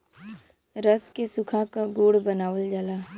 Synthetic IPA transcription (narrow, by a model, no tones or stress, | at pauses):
ɾəskesʊkʰakaɡoːɽbənaːʋəld͡ʒaːlaː